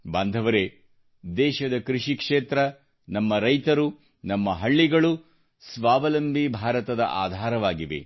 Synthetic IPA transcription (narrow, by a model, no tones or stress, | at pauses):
band̪ʱɐʋɐɾe | d̪ɛːʃɐd̪ɐkɾiʃikʂeːt̪ɾɐ | nɐmːɐɾɐjt̪ɐɾu | nɐmːɐɦɐɭːiɡɐɭu | sʋaːʋɐlɐmbʱibʱaːɾɐt̪ɐd̪ɐ̰ʔa̰ːd̪ʱaːɾɐʋaːɡiʋḛ